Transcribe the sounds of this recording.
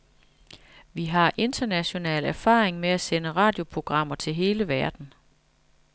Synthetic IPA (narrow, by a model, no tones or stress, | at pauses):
ʋiɦɑ̈ʔe̝nd̥ɐnæɕo̝nɛ̰ːlæɐfɑ̰̈ːʁeŋmeæsenəʁɑ̈ːd̥jo̝pʰʁo̝ɡ̥ʁɑ̈m̰ɐt͡sʰe̝lɦe̝ːləʋæɐd̥n̩